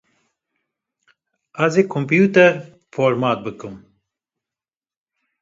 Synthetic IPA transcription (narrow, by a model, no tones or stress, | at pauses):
azeːkʰompjuːt̪ɛɾ | foːɾmaːt̪̚bɨkɨm